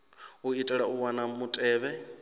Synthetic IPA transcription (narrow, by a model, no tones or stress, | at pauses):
uitʼɛɺauwanamutʼɛːβɛ